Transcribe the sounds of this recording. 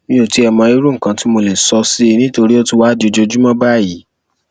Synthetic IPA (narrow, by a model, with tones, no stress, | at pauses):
mĩ˧˦o˨ti˨˦ɛ˧mɔ̃˧i˦ɾu˦ŋ̩˨kã˧ti˦mo˧le˨sɔ˧si˦i˧nĩ˦to˧ɾi˦ɔ˦tũ˦wa˦do˧˨d͡ʒo˧d͡ʒu˦mã˦ba˦˨ji˨˦